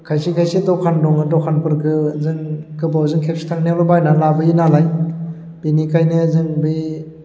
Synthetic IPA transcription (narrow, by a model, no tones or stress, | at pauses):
kʰajsikʰajsidɔkʰandɔŋɯdɔkʰanpɯɾkʰɯzɯŋkɯbawzɯŋkʰep̚si̥tʰaŋnelɔbajnalabɯinalaj | b̥inikajnɯzɯŋbɯj